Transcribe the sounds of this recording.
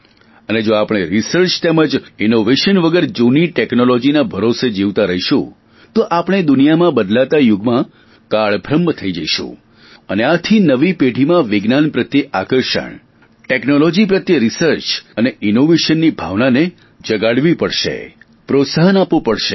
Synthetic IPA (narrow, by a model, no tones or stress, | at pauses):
əned͡ʒoapɽ̃eɾisəɾt͡ʃt̪eməd͡ʒinoʋeʃənʋəɡəɾd͡ʒuniʈeknolod͡ʒinabʱəɾosed͡ʒiʋt̪aɾəɦiʃṵ̃ | t̪oʔapɽ̃ed̪ʊnijamãbəd̪lat̪ajʊɡmã | kaɭbʱɾəmːt̪ʰəid͡ʒəiʃṵ̃ | əneat̪ʰinəʋipeɖʱimãʋɪɡnanpɾət̪jəʔakəɾʃə̰ɳ | ʈeknolod͡ʒipɾət̪jəɾisəɾt͡ʃəneʔɪnoʋeʃənːibʱa̰ʋnane | d͡ʒəɡaɽʋipəɽʃḛ | pɾot̪saɦənapʋupəɽʃḛ